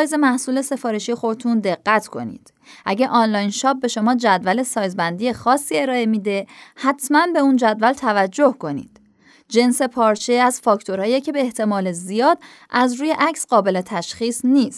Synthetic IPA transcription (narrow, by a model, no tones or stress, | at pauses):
jze̞mæhsuːle̞se̞fɒːɾe̞ʃijexo̞t̪ʰund̪e̞ɣːæt̪ʰkʰo̞̰nḭːd̪̥ | ʔæ̰ɟeʔɒːnlɒːjnʃɒːp̚be̞ʃo̞mɒːd͡ʒæd̪væle̞sɒːjzbænd̪ije̞xɒːsːiːe̞ɾɒːe̞mid̪e̞hæt̪ʰmænbe̞uːnd͡ʒæd̪vælt̪ʰævæd͡ʒːo̞hko̞nḭːd̪̥ | d͡ʒe̞nse̞pʰɒːɾt͡ʃʰeæz̥fɒːkʰt̪ʰo̞ɾhɒːjecʰe̞be̞ːht̪ʰe̞mɒːlezijɒːd̪̥ | ʔæzɾuːje̞ʔæcʰsɢɒːbe̞le̞t̪ʰæʃχiːsniːst̪